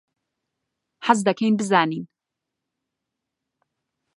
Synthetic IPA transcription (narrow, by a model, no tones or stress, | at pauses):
ħazd̪ɐkʰejnbɨzaːniːn